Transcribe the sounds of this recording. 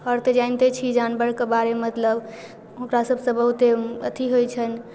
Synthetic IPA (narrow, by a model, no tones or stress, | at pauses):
əɾt̪ed͡ʒaɪnt̪et͡ʃʰid͡ʒanbəɽkebaɾemət̪ləb | ɦʊkɾasəbʱsə̃bəɦut̪eət̪iɦojt͡ʃʰən